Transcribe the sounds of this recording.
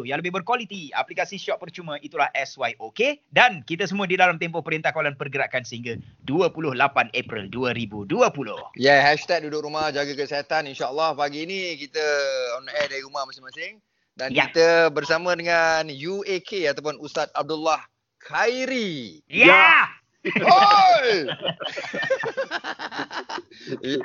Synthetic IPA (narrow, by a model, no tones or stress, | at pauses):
jãŋləbɪɦbərkwalit̪ia̰plikasiʃɔʔ̚pərt͡ʃumə̃ʔit̪ulahʔɛswajʔokedankit̪əsəmũadidalamt̪empɔhpəɾint̪ahkawalanpərɡəɾakansəhiŋɡaduəpulʊhlapanʔepɾḭlduəɾibuduəpulʊ̰hjɛhɛʃt̪ɛk̚dudʊk̚ɾumahd͡ʒaɡakəsiat̪aninʃaəlːahpaɡiːnikit̪əɔnɛdaɾiɾumahmasɪŋmasɪŋ | danit̪əbərsamə̃dəŋanjuekʰeat̪ap̬ʊnust̪at̪̚ab̚dulːah | kʰajɾi | ja | oj